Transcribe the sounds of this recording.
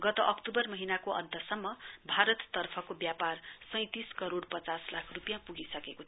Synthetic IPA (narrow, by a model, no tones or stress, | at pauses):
ɡʌt̪ʌʔʌkʈubʌrmʌɦinakoʔʌ̰nt̪ʌsʌmːʌbʱaɾʌt̪ːʌrpʰʌkobjaparsʌ̃j̃t̪iskʌɾoɽpʌt͡saslakʰrupjãpuɡisʌkekot͡sʰʌ